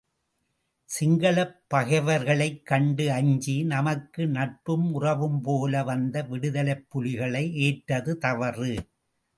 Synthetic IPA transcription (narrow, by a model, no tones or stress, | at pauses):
sɪŋɡɐɭɐpːɐɣɐɪʋɐɾɣɐɭɐɪkːɐɳɖɯɐɲd͡ʒinɐmɐkːɯnɐʈ̚pɯmʊrɐʋɯmpoːlɐʋɐnd̪ɐʋɪɽɯðɐlɐɪpːʊlɪɣɐɭɐɪʔeːʈɾɐðɯt̪ɐʋɐrɯ